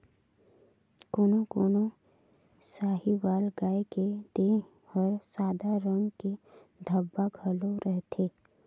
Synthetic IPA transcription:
koːnokoːno | saːɦibaːlɡaːeked̪e | pəɾsaːd̪aɾə̃ŋɡke | d̪ʱəbːaɡʱɐloɾəɦt̪ʰeː

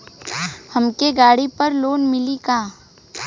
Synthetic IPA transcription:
hɐmkeɡaːɽipɐɾloːnmɪlikaː

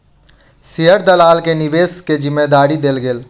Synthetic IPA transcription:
siɦəɾd̪əlaːlkenɪʋeːsked͡ʒɪmːed̪aːɾid̪eːlɡeːl

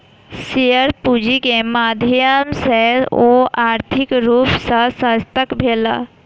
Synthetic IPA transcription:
sijəɾpud͡ʒikemaːd̪ʱjəmseoaːɾt̪ʰɪkɾuːpsəsə̃st̪əkbʱeːla̰

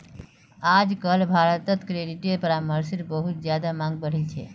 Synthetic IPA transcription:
ad͡ʒkəlbʱaɾət̪ət̪kɾeɖiʈeɾpəɾaməɾsiɾbəɦut̪̚d͡ʒjad̪amãŋɡ̚bəɽ̤ilt͡ʃʰɛ̰

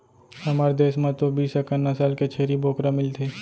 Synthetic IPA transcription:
hɐmaːɾed̪eːsmãt̪obiːsəkənːasaːlket͡ʃʰeːɾiboːkɾamɪlt̪ʰeː

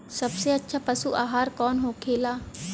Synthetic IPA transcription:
səbseːətːʃʰaːpəsṵːʔaːɦaːɾkɔːnɦoːkʰeːlaː

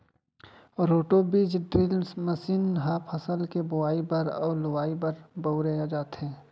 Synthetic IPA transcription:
ɾoːʈobiːd͡ʒɖɾɪlsməsiːnɦaːpʰɐsəlkebʊaːibɐɾɔ̰ːɾlʊwaːibɐɾbɐʊɾead͡ʒaːt̪ɦɛ̃ː

